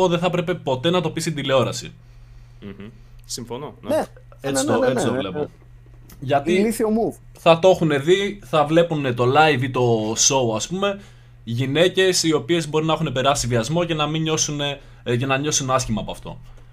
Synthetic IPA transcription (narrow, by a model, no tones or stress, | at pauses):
oðeθɐpɾe̞pe̞po̞t̪e̞nɐt̪o̞pisit̪ind̪ile̞o̞ɾɐsḭ | siɱfono | et̪t͡ssoet͡sit̪ovlepo | ʝɐt̪iliθiomuv | θɐt̪oo̞xune̞ðiθɐvle̞pune̞t̪o̞lɐjvit̪o̞so̞uɐspume̞ | ʝine̞ce̞sio̞pie̞zbo̞ɾinɐexune̞pe̞ɾɐsiviɐzmo̞ce̞nɐmiɲo̞sune̞ | ce̞nɐɲo̞sunɐscimɐːpo̞ɐft̪o̞̰